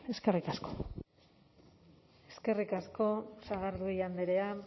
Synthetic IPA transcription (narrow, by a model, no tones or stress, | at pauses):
e̞ske̞rikasko̥ | e̞ske̞rikasko̞saɣaɾðuiand̪eɾe̞a